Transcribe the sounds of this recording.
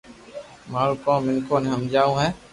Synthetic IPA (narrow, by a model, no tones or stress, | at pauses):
maːɾuːkoːmɪnkoːneɦəmd͡ʒaːũːɦɛ̃ː